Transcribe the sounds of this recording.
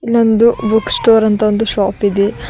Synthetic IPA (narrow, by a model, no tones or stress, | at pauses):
ilːɐnd̪ubuksʈoːɾɐnt̪ɐond̪uʃaːpid̪e